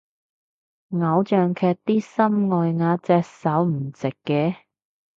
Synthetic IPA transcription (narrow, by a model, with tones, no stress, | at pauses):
ŋɐ˨˧˥wt͡ʃœː˨ŋkʰɛː˧k̚t̪iː˥sɐ˥mŋɔː˨jŋaː˨˧t͡sɛː˧k̚sɐ˨˥wm̩˨˩t͡sɪ˨kːɛː˧